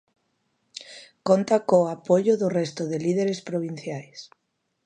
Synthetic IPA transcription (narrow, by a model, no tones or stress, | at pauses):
kont̪akoapoʎʊðʊrɛst̪ʊðɪlið̞eɾespɾoβ̞in̟θjajs